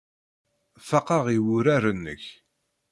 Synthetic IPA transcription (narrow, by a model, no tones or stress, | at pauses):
fɑqɑʁiwʊɾaɾənːə̰ç